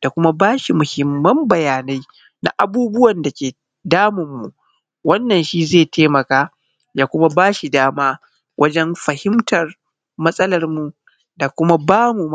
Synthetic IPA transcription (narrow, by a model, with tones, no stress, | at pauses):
d̥a˨kʷʊ˦ma˦baː˦ʃi˨mʊ˨hɪ˨mːɐ˦mbɐ˨jaː˨na˦j | na̰˨ʔa˨buː˦bʊ˦wɐ˨nda˨kʲeː˨ | daː˦mɪ˨mːu˨ʔ | wɐ˦nːɐ˨nʃi˦zeː˦˨tʰeː˦mɐ˨kaː˦ | jaː˦kʷʊ˦ma˦baː˦ʃi˨daː˦maː˦ | wʔɐ̰˦d͡ʒɛ˦mɸɐ˨hɪ˦mtɐ˨r | mɐ˦sʼɐ˦lɐ˨rmu˨ | da˨kʷʊ˦ma˦baː˦mu˨m